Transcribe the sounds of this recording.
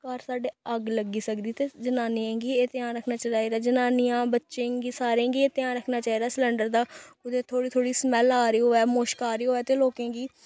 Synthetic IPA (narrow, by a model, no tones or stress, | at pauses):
kaːɾsaːɖeːəɡləɡiːsəkd̪iːt̪eːd͡ʒənaːniãːɡiːeːt̪jãːnɾəkʰnaːt͡ʃəɾaːiːɾaːd͡ʒənaːnɪjãːbətːʃẽːɡiːsaːɾẽːɡiːeːt̪ɪjãːnɾəkʰnaːt͡ʃaːiːd̪aːsləɳɖəɾd̪aːʊd̪eːt̪ʰoːɽiːt̪ʰoːɽiːsmɛːlaːɾɪːoːɛːmoːʃkaːɾeoːɛːt̪eːloːkẽːɡiː